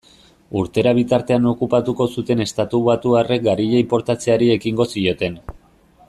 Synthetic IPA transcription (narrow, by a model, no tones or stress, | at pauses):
uɾt̪e̞ɾaβ̞it̪aɾt̪e̞ano̞kupat̪uko̞sut̪e̞ne̞st̪at̪uβat̪uare̞k̚ɡaɾiʎeimpo̞ɾt̪at͡se̞aɾie̞kiŋɡo̞sio̞t̪e̞n